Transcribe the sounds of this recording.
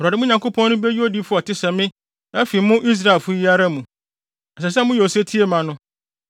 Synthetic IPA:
a˨dɪ˨mʊ̃˦ɲã˨ŋkʰo˦pʰɔ̃˦nnʊ̃˦be˦ji˦o˦di˦fʊ˦ɔ˨tʰɪ˦sɛ̃˨mɪ̃˦ | na˦fi˨˦mʊ̃˦ʔi˦s̬ɾa˦e˨lfʊ˦ji˦a˦ɾa˦mũ˨ | ɛ˨sɛ˨s̬ɛ˦˨mʊ̃˦jɛ˨se˦tʰi˦e˦mã˨nʊ̃˦

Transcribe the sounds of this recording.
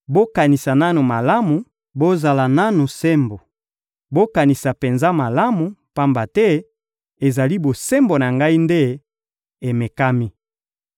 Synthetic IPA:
bo˦ka˨ni˨sa˨na˦nu˨ma˨la˦mu˨ | bo˦za˨la˨na˦nu˨sɛ˦mbo˨ | bo˦ka˨ni˨sa˨pe˨nza˦ma˨la˦mu˨pa˦mba˨tɛ˦ | e˨za˨li˦bo˨sɛ˦mbo˨na˨ŋɡa˦i˦nde˦ | e˨me˨ka˦mi˦

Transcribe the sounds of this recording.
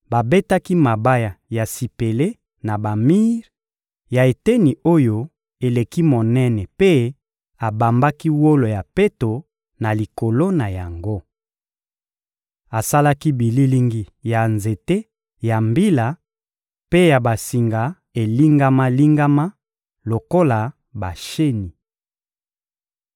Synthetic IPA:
ba˨be˦ta˦ki˦ma˨ba˦ja˨ja˨si˨pe˨le˦ | na˨ba˨mi˦ʁ | ja˨e˨te˦ni˨ʔo˦jo˦ | e˨le˨ki˦mo˨nɛ˦nɛ˨pe˦ | a˨ba˨mba˦ki˦wo˦lo˨ja˨pe˦to˨ | na˨li˨ko˨lo˦na˨ja˨ŋɡo˦ | a˨sa˦la˦ki˦bi˨li˦li˦ŋɡi˦ja˨nze˨te˦ | ja˨mbi˦la˨ | pe˦ja˨ba˨si˨ŋɡa˨ | e˨li˦ŋɡa˦ma˦li˦ŋɡa˦ma˦ | lo˨ko˦la˨ | ba˨ʃe˦ni˨

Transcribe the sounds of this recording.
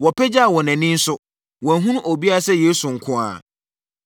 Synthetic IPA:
wɔ˨pʰɛ˦d͡ʑa˦a˨wɔ˨nɛ̃˨nɪ̃˦n̩˦sʊ˦ | wɔ̃˨ɦũ˦ñ˦ʔo˨bi˦a˦a˦sɛ˦jeː˦su˨ŋ̩˨kʰʊ̃˦a̰˨

